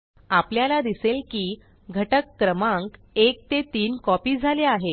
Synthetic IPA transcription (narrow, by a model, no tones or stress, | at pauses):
apljalad̪iselkiː | ɡʱəʈəkːɾəmãŋk | ek̚t̪et̪iːnkɔpiːd͡zʱaleaɦe